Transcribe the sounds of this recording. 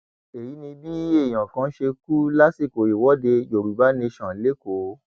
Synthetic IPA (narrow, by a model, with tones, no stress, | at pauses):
e˨ji˨˦nĩ˧bi˦e˦˨j̃ã˨kã˨˦ʃe˧ku˦la˦si˦˨ko˨ɾi˨wɔ˦de˧d͡ʒo˨ɾu˨˦ba˨˦nẽ˧ʃɔ̃˨˦le˦ko˨˦